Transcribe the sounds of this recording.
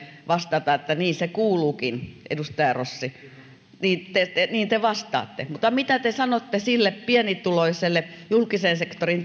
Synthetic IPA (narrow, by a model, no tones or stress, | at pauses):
ʋɑst̪ɑt̪ɑet̪ːæniːnsekuːluːkinʔḛdust̪ɑjɑrosːi | niːnt̪et̪eniːnt̪eʋɑst̪ɑ̰ːt̪ːemut̪ːˑɑmit̪æt̪esɑnot̪ːesilːeppiɛnit̪uloiselːejulkisensekt̪orint